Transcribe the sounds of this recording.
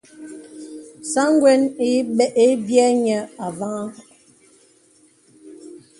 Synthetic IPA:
sa˦ŋ˦ɡwɛ˦ni˦ɓɛ˦ʔe˦bjɛ˦ɲɛ˨a˨va˦ŋa˦

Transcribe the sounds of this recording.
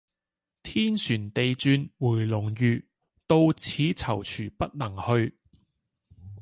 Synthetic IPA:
t̪ʰiː˥nsyː˨˩nt̪e˨jt͡syː˧nwuː˨˩jlʊ˨˩ŋjyː˨˧ | t̪o˧wt͡sʰiː˨˥t͡sʰɐ˨˩wt͡ʃʰyː˨˩pɐ˥t̚nɐ˨˩ŋhɵ˧ɥ

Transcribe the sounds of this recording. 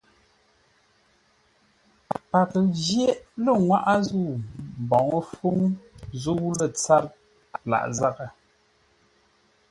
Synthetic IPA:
pa˨kd͡ʒje˦ʔlə˦˨ŋwa˦ʔa˦zu˦˨m˨bɔ˨ŋə˦fu˦ŋzu˦lə˨t͡sa˦t | la̰˨ʔza˦kə˨

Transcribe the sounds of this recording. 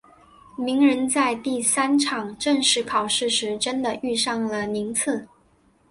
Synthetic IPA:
mi˧˥ŋɻə˧˥nt͡sa˥˧ɪt̪i˥˩sa˥nʈ͡ʂʰɑ˨˩ŋʈ͡ʂə˥˧ŋʂɻ̩˧˥pʰɑ˨˩ʊʂɻ̩˥˩ʂɻ̩˧˥ʈ͡ʂə˥nd̪ə˨y˥˧ʂɑ˥˩ŋlə˩ni˧˥ŋt͡s̩ʰ˥˩

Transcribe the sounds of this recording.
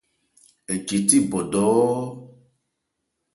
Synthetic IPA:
e˨d͡ʒi˨t̪i˦bɔ˨ɖɔ˨˦ww

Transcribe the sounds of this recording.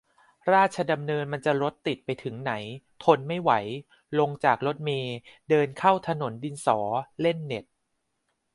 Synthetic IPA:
ɾaː˥˩t̪̚t͡ɕʰa˧da˧mnɤː˧nma˧nt͡ɕa˨˩ɾo˦˥t̪ːi˨˩t̪̚pa˧jt̪ʰɯ˩˦ŋna˩˦jt̪ʰo˧nma˥˩jwa˩˦j | lo˧ŋt͡ɕaː˨˩k̚ɾo˦˥t̪̚meː˧dɤː˧nkʰa˥˩wt̪ʰa˧no˩˦ndi˧nsɔː˩˦le˥˩nːe˨˩t̪̚

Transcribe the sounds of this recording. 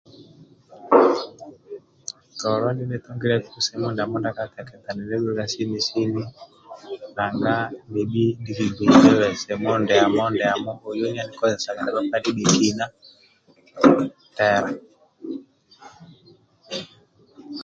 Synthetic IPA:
tɔ˨ɾɔ˦ni˦nɛ˦tɔ˦ŋɡi˦ɾɛ˦ku˦sɛ˨mɔ˦nda˨mɔ˦nda˦ka˦kɛ˨kɛ˨t̪a˨nɛ˨lɛ˦ɡu˦ɾa˦si˦ni˨si˦ni˦ | ka˨ŋɡa˦mbi˨ɓi˦ndi˦ki˨bi˨nɛ˦wɛ˨sɛ˨mɔ˦ndɛ˨a˨mɔ˦ndɛ˨a˨mɔ˦hɔ˨jɔ˦ɲa˦ni˨kɔ˦ɛ˨sa˨ka˨dɛ˦ba˦pa˦di˦ɓi˨ki˦na˦ | tɛ˨ɾa˨

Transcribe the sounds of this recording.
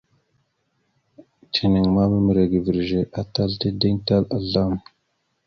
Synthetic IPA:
tʰi˨ni˨ŋma˦ba˦mə˨ɾa˨ɡi˨vi˨ɾʒe˨ʔa˨ta˦lte˦di˦ŋta˦la˨ɮa˦m

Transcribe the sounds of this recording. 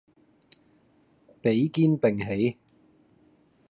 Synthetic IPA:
pe˨˥jkiː˥npɪ˨˩ŋɦe˨˥j

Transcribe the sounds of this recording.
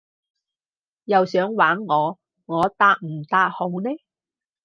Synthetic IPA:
jɐ˨wsœː˨˥ŋwaː˨˥ŋːɔː˨˧ | ŋɔː˨˧t̪aː˧k̚m̩˨˩t̪aː˧t̚ho˨wnɛː˥

